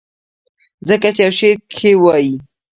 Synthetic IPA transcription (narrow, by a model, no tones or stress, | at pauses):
zəkat͡ʃejawʃeɾkʰewɑji